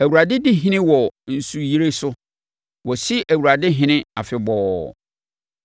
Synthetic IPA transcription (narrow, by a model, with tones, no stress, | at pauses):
æ˨wu˨ɾa˨dɪ˦dɪ˦ɦɪ̃˦nɪ̃˦wɔ˨n̩˨su˨ji˦ɾe˦sʊ˦ | wɔ˨si˦ʔæ˨wu˨ɾa˨dɪ˦ɦɪ̃˦nɪ̃˦a˨fɪ˨bɔː˨